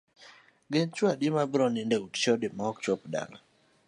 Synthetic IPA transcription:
ɡent͡ʃwadimabɾɔnindeutt͡ʃɔdɪmaɔkt͡ʃɔpda̰ŋa

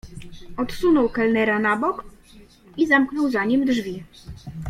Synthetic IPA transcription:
ɔt̪sunɔwkalnɛɾanabɔk | izamknɔwzaɲimd̪ʐvʲi

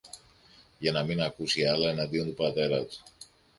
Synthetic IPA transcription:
janaminakusialaenad̪iond̪upat̪eɾat̪

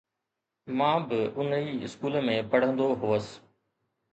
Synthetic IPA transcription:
mãːbɪʊniːɪ̰skuːləmẽːpɐɽ̤ə̃nd̪oɦuːəs

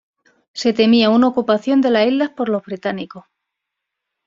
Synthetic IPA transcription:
se̞t̪e̞miaunaokupaθjo̞nd̪e̞lasilːahpo̞ɾlo̞zβɾit̪aniko̞

